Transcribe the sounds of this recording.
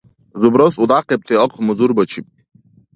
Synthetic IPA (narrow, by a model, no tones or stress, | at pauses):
zubɾɔsud̪aqep̚t̪ʰeɔqʰmuzuɾbət͡ʃʰip̚